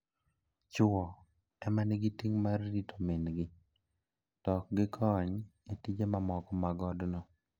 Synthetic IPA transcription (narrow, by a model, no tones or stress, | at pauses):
t͡ʃʊɔ | ɛmanɪɡitiŋmarːitʰomenɡɪ | tɔk̚ɡɪkʰɔɲetid͡ʒemamɔkɔmaɡɔdnɔ